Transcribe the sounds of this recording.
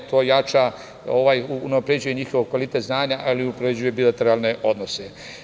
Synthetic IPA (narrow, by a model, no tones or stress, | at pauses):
t̪ʰo̞ːjat͡ʃa | o̞ʋaːjuunapɾed͡ʑuje̞ɲixoʋokʋalit̪et̪znaːɲaʔalipɾed͡ʑuje̞bilat̪e̞ɾaːlˠne̞ʔo̞d̪nose